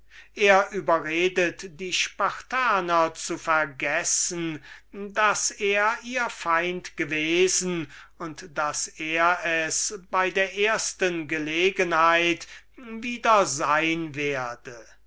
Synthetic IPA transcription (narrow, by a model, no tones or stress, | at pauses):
ʔeːɐʔyːbɐʁeːdətd̥iːʃpaʁtʰaːnɐt͡sufɛɐɡɛsən̩daseːɐiːɐfaɪntɡ̥əveːzn̩ | ʊntd̥aseːɐɛsbaɪdeːɐʔeːɐstənɡəleːɡənhaɪt | viːdɐzaɪnveːɐdə